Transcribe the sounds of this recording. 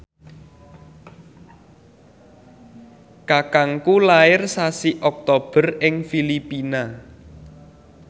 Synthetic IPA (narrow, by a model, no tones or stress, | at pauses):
kakaŋkulaɪrsasiʔɔk̚t̪ob̥ə̤rɪŋfilipina